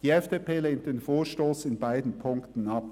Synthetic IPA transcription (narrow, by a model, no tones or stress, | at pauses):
d̥iːɛfd̥epʰeːleːnt̚d̥enfoːɐʃtoːsɪnbaɪdn̩pʰʊŋktn̩ɑp